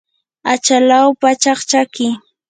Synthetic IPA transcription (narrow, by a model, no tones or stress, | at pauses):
at͡ʃalawpat͡ʃaχt͡ʃakɪ